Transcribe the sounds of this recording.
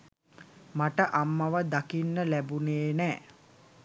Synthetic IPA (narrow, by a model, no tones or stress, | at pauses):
maʈəʔamːaʋəd̪akinːəlæbuneːnɛː